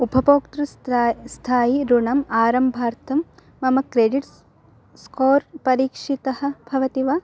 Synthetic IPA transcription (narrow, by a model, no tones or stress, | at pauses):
ubʱɐpoːkt̪ɾust̪ʰaːjiɾuɳɐmaːɾɐmbʱaːɾt̪ʰɐmː | ɐmɐkɾeːɖiʈ | skoːɾpɐɾiːkʂit̪ɐɦɐ̆bʱɐʋɐt̪iʋa